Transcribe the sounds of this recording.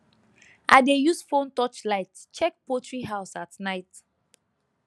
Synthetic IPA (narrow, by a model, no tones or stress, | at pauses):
ʔadejusfõntɔt͡ʃlaɪtt͡ʃɛk̚potʰɹiɦaʊsatnaɪt